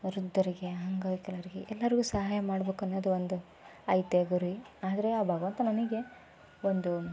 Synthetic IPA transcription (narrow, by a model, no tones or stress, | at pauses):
ɾud̪ʱːɐɾiɡe̞ɦɐŋɡaːikɛlɐɾiɡeʔɛlːɐɾiɡuːsɐɦaːjɐmaːɽɐbeːkuɐnːoːd̪uond̪u | ɐjt̪eɡuɾui | aːd̪ɐɾe̞aːbʱaːɡɐʋɐnt̪ɐnɐniɡe̞ | ond̪u